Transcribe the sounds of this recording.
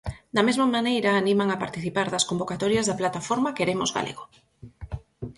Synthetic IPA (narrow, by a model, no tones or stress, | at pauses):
d̪ɐmezmamanejɾaːnĩmaŋapaɾt̪iθipaɾðɐskombokat̪ɔɾjazðaplat̪afoɾmakeɾemozɣa̰lʔḛɣo